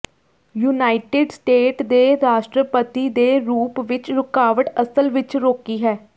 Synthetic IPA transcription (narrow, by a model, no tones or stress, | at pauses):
juːnaːɪʈɪɖsʈeːʈd̪eːɾaːʃʈɾəpət̪iːd̪eːɾuːpʋɪt͡ʃɾʊkaːʋəʈəsəlʋɪt͡ʃɾoːkiːɦɛː